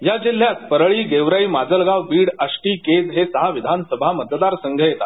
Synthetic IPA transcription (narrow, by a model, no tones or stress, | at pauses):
jad͡ʑil̤jat̪̚pəɾɭiːɡeʋɾaiːmad͡zəlɡaʋbiːɽəʂʈiːked͡zɦesəɦaʋid̪ʱansəbʱamət̪d̪aɾsəŋɡʱəjet̪a̰t̪